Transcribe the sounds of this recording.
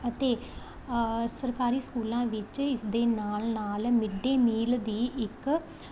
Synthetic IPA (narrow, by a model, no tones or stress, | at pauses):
ət̪eː | səɾkaːɾiːskuːlãːʋɪt͡ʃɪsd̪eːnaːlnaːlmɪɖeːmiːld̪iːɪk